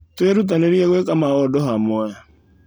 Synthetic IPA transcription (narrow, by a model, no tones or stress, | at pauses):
tweɾut̬aneɾieɣwekamaɣɔdɔɦamwɛ